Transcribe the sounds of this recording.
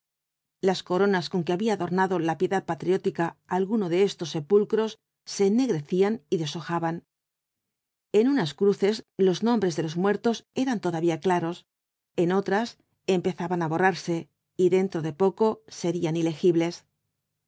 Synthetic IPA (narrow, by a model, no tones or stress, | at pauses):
lasko̞ɾo̞nasko̞ŋke̞aβiaðo̞ɾnaðo̞lapje̞ðað̚pat̪ɾjo̞t̪ikaːlɣunoðe̞e̞st̪o̞sːe̞pulkɾo̞sː | e̞ːnːe̞ɣɾe̞θianiðe̞so̞xaβan | e̞nunaskɾuθe̞slo̞znõ̞mbɾe̞zðe̞lo̞zmwe̞ɾt̪o̞se̞ɾant̪o̞ðaβiaklaɾo̞s | e̞no̞t̪ɾas | empe̞θaβanaβo̞raɾse̞ | iðe̞nt̪ɾo̞ðe̞po̞ko̞se̞ɾianile̞xiβle̞s